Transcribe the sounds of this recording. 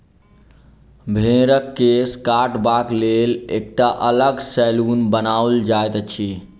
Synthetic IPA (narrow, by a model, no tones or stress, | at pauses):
bʱẽɾəkːeskaʈbak̪lelek̚ʈaʔələɡsɛlunbənauld͡ʒaet̪ət͡ʃʰi